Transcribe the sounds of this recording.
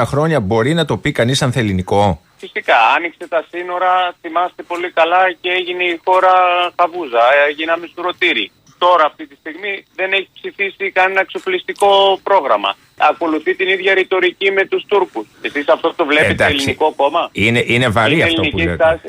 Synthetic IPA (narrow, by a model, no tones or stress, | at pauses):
ɐxɾo̞ɲɐbo̞ɾinɐt̪o̞pikɐnisɐnθeliniko̞ | fisikɐɐnikse̞t̪ɐsino̞ɾɐθimɐst̪e̞po̞likɐlɐceeʝine̞ixo̞ɾɐxɐvuzɐeʝinɐmisuɾo̞t̪iɾi | t̪o̞ɾɐːft̪it̪ist̪iɣmiðe̞neçi̥psifisikɐnenɐekso̞plist̪iko̞pɾo̞ɣɾɐmɐ̰ | ɐko̞luθit̪iniðʝɐɾit̪o̞ɾicime̞t̪ust̪uɾkusesisɐft̪o̞t̪o̞vleid̪ɐelisniko̞ko̞mɐineʔinevɐɾiɐfltionipuiet̪ɐs